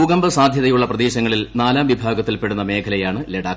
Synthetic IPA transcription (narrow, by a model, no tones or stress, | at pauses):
uːɡɐmbɐsaːd̪ʱjɐðɐjuɭːɐprɐd̪e̞ːɕɐŋːɐɭilnaːlaːmʋibʱaːɡɐt̪ːilpe̞ɽunːɐme̞ːkʰɐlɐjaːɳɨleɽaː